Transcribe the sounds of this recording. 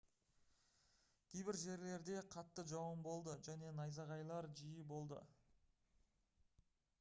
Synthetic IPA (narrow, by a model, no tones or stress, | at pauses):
kʲʰejbɪɾʒe̞ɾle̞ɾd̪e̞qʰɑt̪ːəʒɑwəmbo̞lˠd̪əʒæne̞nɑjzɑʁɑjlˠɑɾʒijəbo̞lˠd̪ə̰